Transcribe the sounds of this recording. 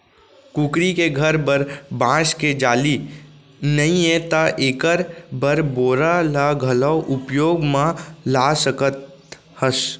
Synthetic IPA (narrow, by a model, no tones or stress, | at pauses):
kuːkɾikeɡʱəɾbəɾbãːsked͡ʒaːli | nəĩẽt̪aʔeːkəɾbəɾboːɾalaɡʱələwʔʊpjoːɡmãlaːsəkət̪̚ | həs